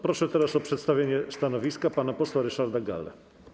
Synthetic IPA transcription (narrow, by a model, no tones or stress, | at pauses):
pɾɔʂɛt̪ɛɾasɔpʂɛt̪st̪avʲjeɲɛst̪anɔvʲiskapanapɔswaɾɛʂaɾd̪aɡa̰lːɛ̰